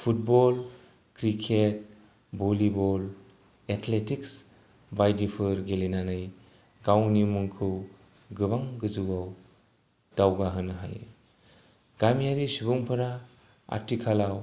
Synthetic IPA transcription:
pʰut̚bɔl | kɾikʰet̚ | bolibɔl | etʰletiks | bajdipʰɯɾɡelinanɯj | ɡawnimɯŋkʰɯw | ɡɯbaŋɡɯzɯwaw | d̥awɡaɦɯnɯɦa̰jḛ | ɡ̥amijaɾisibuŋpʰɯɾa | a̰ɾtʰikʰalaw

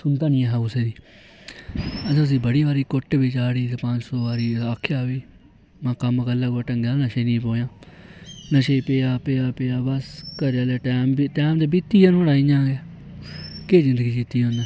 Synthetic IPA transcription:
sʊnd̪aːnĩːaɦɛʊseːd̪iː | əsʊs̬ĩːbəɽiːʋaːɾiːkʊʈbiːt͡ʃaːɽiːt̪epə̃ɲd͡ʒsoːʋaːɾiːaːkʰːjaːʋiː | mãːkəmkəlːəɡəʈəŋɡjaːnəʃeːnĩːpõːjãː | nəʃeːpeːaːpeːaːpeːaːbəskəɾjaːleːʈɛːmbiʈɛːmd̪eːbit̪ːiːãːnɦoɽaːiːd͡ʒãːɡeː | keːzɪ̃nd̪əɡiːkiːt̪ːiːõːnd̪eː

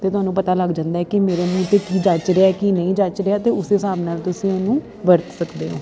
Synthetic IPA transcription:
t̪eːt̪ʊɦaːnũːpət̪aːləɡd͡ʒãːnd̪aːɛːkɪmeːɾeːnũːt̪eːkiːd͡ʒat͡ʃɾeaɛkinəĩːd͡ʒət͡ʃɾeaːt̪eːʊseːsaːbnaːlt̪ʊsĩːɛːnũː | ʋəɾt̪səkd̪eːɦo̰ː

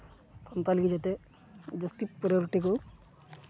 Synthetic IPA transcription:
sɐnt̪aːlikid͡ʒot̪e | d͡ʒɐst̪ipɾijoɾiʈiku

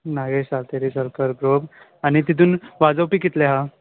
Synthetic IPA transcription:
naɡeɕalt̪eɾisəɾkəɾɡɾob | añit̪it̪̬uːnʋad͡zəwpikit̪leɦa

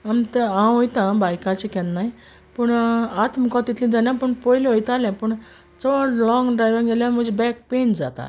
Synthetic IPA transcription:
amt̪əãjt̪ãbajkãt͡ɕikɛ̃nnːaj | pəɳat̪məkɔt̪it̪lĩd͡zanjãpəɳpɔjlɔjt̪aljãpəɳ | t͡sɔʋaʈlɔ̃ŋɡɖɾajʋĩŋɡeljãm̤əd͡ʑebɛk̚pend͡za̰t̪a̰

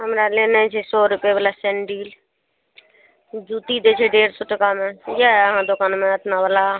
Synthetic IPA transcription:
ɦəmɾaːleːnãːt͡ʃʰeːsɔːɾʊpeːbəlaːsenɖiːl | d͡ʒuːt̪iːd̪eːt͡ʃʰeːɖeːɾsʊʈkaːmẽːjaːəɦãːd̪ʊkaːnmẽːət̪ʰnaːbəlaː

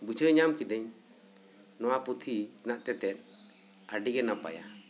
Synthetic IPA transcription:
but͡ʃʰəɲamkid̪ɛɲ | nɔwaput̪ʰinaʔt̪ɛt̪ɛn | aɖiɡɛnapa̰ja̰

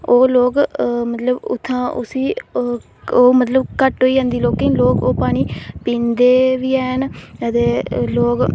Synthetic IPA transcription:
oːloːkmət̪ləbʊ̰t̪ʰːãːʔʊ̰siː | oːmət̪ləbkəʈɦoːiːd͡ʒãːnd̪iːloːkːɪ̃loːkoːpaːɽ̃iːpĩːnd̪eːʋiːɛːnət̪eːloːk

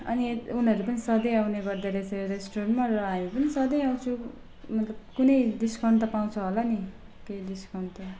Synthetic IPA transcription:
ʌ̰niunʌɾupʌnisʌd̪ʌjawneɡʌrd̪aɾesʰʌɾesʈoɾʌnmarʌɦamipʌnisʌd̪ʌjaw̃t͡sʰũ | mʌt̪lʌb̚kunʌjd̪iskʌnt̪ʌpaw̃t͡sʰʌɦolʌni | keid̪iskʌnt̪ʌ

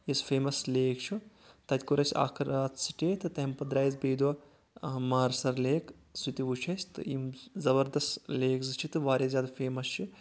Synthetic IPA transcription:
isfeːmɐsleːkt͡ʃʰu | t̪ɐt̪ʲkuɾɐsʲa̰ːkʰɐɾaːt̪si̥ʈʲet̪ɨt̪ɐɦmpɐd̪ɾaːjizbeːd̪ʋɐ | maːɾsɐɾleːk | sit̪iʋut͡ʃʰɐsʲt̪ɨ̰imzɐbɐɾd̪ɐst̪leːkzɨt͡ʃʰit̪ɨʋaːɾʲjɐzʲjaːd̪afeːmɐst͡ʃʰu

